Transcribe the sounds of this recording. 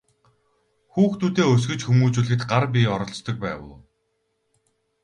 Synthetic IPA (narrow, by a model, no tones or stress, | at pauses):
xuːxt̪ʰuːt̪eːɵs̬ɡɘ̆t͡ɕxumuːt͡suːɮɘ̆kt̪ɢarp̬ʲiɔɾɞ̆ɬt͡st̪ɞ̆k̚pæ̰ːwə̰ː